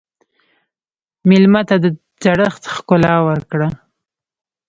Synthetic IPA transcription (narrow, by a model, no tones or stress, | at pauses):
mɪlmat̪ad̪ə | d͡zaɽəxt̪xkʊlɑwəɾkɽa